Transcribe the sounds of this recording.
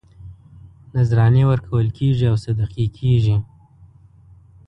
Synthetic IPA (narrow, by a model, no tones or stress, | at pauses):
nazɾɑnewəɾkʰawəlkʰeʒiawsad̪aqikʰeʒi